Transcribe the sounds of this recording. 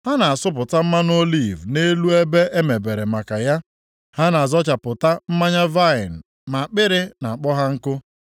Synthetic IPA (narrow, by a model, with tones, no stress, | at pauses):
ha˦na˨a˨sʊ˦p̬ʊ˨ta˦m̩˦ma˦n˦o˦li˦˨vne˦lu˦e˦be˦ʔe˦me˨be˨ɾe˨ma˨ka˨ja˦ | ha˦na˨a˨zɔ˦t͡ʃa˨pʊ˨ta˦m̩˦ma˦ɲa˦va˦ɪ˨n̩˨ | ma˨k͡pɪ˦ɾɪ˦na˨a˨k͡pɔ˦ɦa˦ŋ̩˦kʊ˦